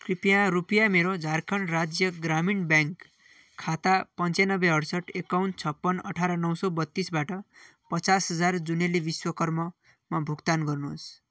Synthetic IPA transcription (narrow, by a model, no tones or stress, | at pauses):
kripijãɾupijameɾod͡zʱarkʰʌnrad͡zjʌɡraminbjaŋkʰː | at̪apʌnt͡sanʌbːeɦʌɽsʌʈekawnʈ̚t͡sʰʌpːʌnʌ̰ʈʰaɾʌnʌwsʌbʌt̪ːisbaʈʌ | pʌt͡sasɦʌd͡zard͡zunelebiswʌkʌrmʌ | mabʱuɡt̪anɡʌrnuɦo̰s